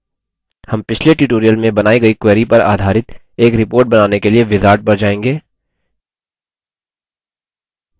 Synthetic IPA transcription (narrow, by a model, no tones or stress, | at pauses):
hɐmpɪt͡ʃʰleʈuʈoːɾijəlmẽbɐnaːiɡɐikweːɾipɐɾa̰ːd̪ʱaːɾɪt̪ | eːkɾɪpoːɾʈ̚bɐnaːnekelieʋɪzaːɾʈ̚bɐɾd͡ʒaːẽːŋɡeː